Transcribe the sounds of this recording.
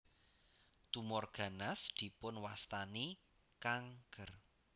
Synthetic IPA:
t̪umɔrɡ̥a̤nasd̪̥i̤pʊnwast̪ani | kaŋɡ̥ər

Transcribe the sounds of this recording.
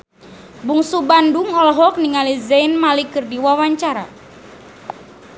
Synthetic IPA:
buŋsubanduŋɔlɦɔk̚niŋalizɛjnmalikɨrdiwawaɲt͡ʃaɾa

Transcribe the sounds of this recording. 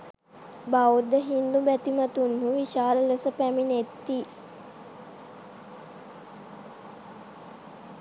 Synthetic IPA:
baud̪əɦind̪ubæt̪imat̪unhuʋiʃaːləlesəpæminet̪ːi

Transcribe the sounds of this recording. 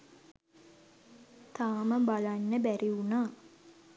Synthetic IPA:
t̪aːməbalanːəbæɾiunaː

